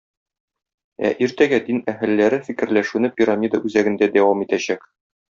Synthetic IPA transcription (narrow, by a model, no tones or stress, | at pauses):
æ̰ʔiɾt̪æɡæd̪inæɦɘlːæɾɘfikɘ̆ɾlæʃʉnɘpʲiɾamʲid̪əʔʉzæɡɘ̆nd̪æd̪æwɑmit̪æɕæk